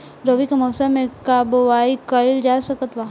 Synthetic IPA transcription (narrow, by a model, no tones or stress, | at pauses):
ɾəʋikamɔːsamẽkaboʋaːikɐɪld͡ʒasəkət̪ʋaː